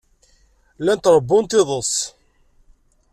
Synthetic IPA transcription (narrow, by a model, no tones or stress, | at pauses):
lænt̪ɾˤəbːʊnt̪ɪðˤəsˤ